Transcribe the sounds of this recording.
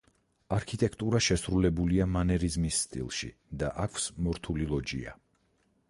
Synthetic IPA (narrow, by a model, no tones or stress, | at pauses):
aɾkʰit̪ʼɛkʰt̪ʼuɾaʃɛsɾulɛbuliamanɛɾizmisːt̪ʼḭlˠʃḭd̪aʔakʰsmɔɾt̪ʰulilˠɔd͡ʒḭa̰